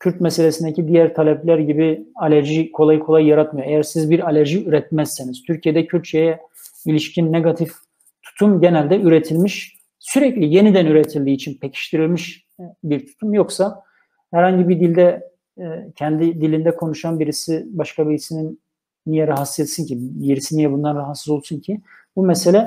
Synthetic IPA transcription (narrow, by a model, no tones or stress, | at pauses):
cʰyɾt̪̚mɛse̞lʲesind̪ecid̪ijæɾt̪ʰalʲɛplʲæɾɟibialʲæɾʒikʰo̞lˠajkʰoajːaɾat̪majoejæɾsizbiɾalʲæɾʒiyɾɛt̪̚mɛzːeniz̥t̪ʰyɾcʰijed̪ɛcʰyɾt̪t͡ʃejɛ | ilʲiʃcʰinːeɡat̪ʰif | t̪ʰu̥t̪ʰumɟe̞nælʲd̪ɛyɾet̪ʰilʲmiʃ | syɾɛclʲije̞nid̪ænyɾet̪ʰilʲd̪iːt͡ʃʰinpʰecʰi̥ʃt̪ʰiɾilʲmiʃ | biɾt̪ʰu̥t̪ʰumjo̞ksa | hæɾhaɲɟibid̪ilʲd̪ɛ | cʰɛnd̪id̪ilʲind̪ɛkʰo̞nuʃanbiɾisibaʃkʰabiɾisinin | nijɛɾaɦat̪sɯzet̪sincʰijiɾisinijɛbund̪anɾaɦat̪sɯzo̞lˠsuncʰi | bumɛse̞lʲɛ